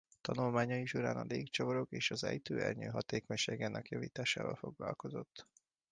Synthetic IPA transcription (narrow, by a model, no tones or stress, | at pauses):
t̪ɒnulmaːɲɒiʃuɾaːnɒleːkt͡ʃovoɾo̞keːʃɒzɛjt̪øːɛrɲøːɦɒt̪eːkoɲʃeːɡɛnːɛkjɒvḭːt̪aːʃa̰ːvɒ̰lfo̞ɡlɒlko̞zo̞t̪ː